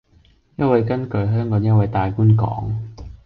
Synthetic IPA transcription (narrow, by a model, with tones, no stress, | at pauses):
jɐ˥t̚wɐ˨˧jkɐ˥nkɵ˨˥ɥɦœː˥ŋkɔː˨˥ŋjɐ˥t̚wɐ˧jt̪aː˨jkuː˥nkɔ̰ː˨˥ŋ